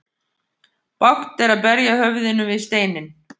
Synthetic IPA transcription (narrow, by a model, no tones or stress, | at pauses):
pawht̪ɛɾaðpɛɾjahœvðɪnʏvɪðst̪eːjnɪn